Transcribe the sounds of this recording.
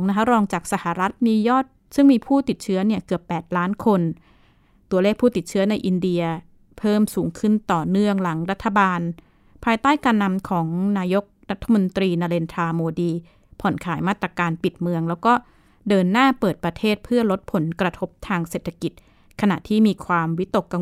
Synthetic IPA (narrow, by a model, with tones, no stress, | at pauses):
ŋna˦˥kʰa˦˥ɾɔː˧ŋt͡ɕaː˨˩k̚sa˧˩ha˨˩ɾa˦˥t̪̚miː˧jɔː˥˩t̪̚ | sɯ˥˩ŋmiː˧pʰuː˥˩t̪i˨˩t̪̚t͡ɕʰɯ˦˥ɐni˥˩ɐkɯ˨˩əpːɛː˨˩t̪̚laː˦˥nkʰo˧n | t̪u˧ɐleː˥˩k̚pʰuː˥˩t̪i˨˩t̪̚t͡ɕʰɯ˦˥ɐna˧jʔi˧ndi˧ɐ | pʰɤː˥˩msuː˩˦ŋkʰɯ˥˩nt̪ɔː˨˩nɯ˥˩əŋla˩˦ŋɾa˦˥t̪ʰːa˧baː˧n | pʰaː˧jt̪aː˥˩jkaː˧nːa˧mkʰɔː˩˦ŋnaː˧jo˦˥k̚ɾa˦˥t̪ʰːa˧mo˧nt̪ɾiː˧naː˧leː˧nt̪ʰaː˧moː˧diː˧ | pʰɔ˨˩˦nkʰaː˩˦jmaː˥˩t̪ɾa˧kaː˧npi˨˩t̪̚mɯ˧əŋlɛː˦˥wkɔː˥˩ | dɤː˧nːaː˥˩pɤː˨˩t̪̚pɾa˧t̪ʰeː˥˩t̪̚pʰɯ˥˩ɐlo˦˥t̪̚pʰo˩˦nkɾa˧t̪ʰo˦˥p̚t̪ʰaː˧ŋseː˨˩t̪ʰːa˧ki˨˩t̪̚ | kʰa˧na̰˨˩ʔt̪ʰiː˥˩miː˧kʰwaː˧mwi˦˥t̪o˨˩kːa˧